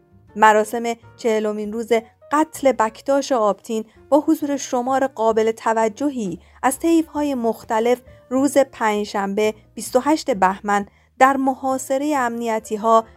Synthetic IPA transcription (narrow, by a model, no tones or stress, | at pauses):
mæɾɒːse̞me̞t͡ʃʰe̞helo̞miːnruːze̞ | ɢæt̪ʰle̞bæcʰt̪ɒːʃeɒːb̥t̪ʰiːn | b̥ɒːhozuːɾe̞ʃo̞mɒːɾe̞ɢɒːbe̞le̞t̪ʰævæd͡ʒːo̞ɦiː | æz̥t̪ʰe̞jvhɒːje̞moxt̪æle̞fruːze̞pʰæːnd͡ʒʃæmbe̞ | b̥ist̪oɦæʃt̪e̞bæhmæn | d̪̥æɾmohɒːse̞ɾe̞jeæmnijæt̪ʰiːɦɒː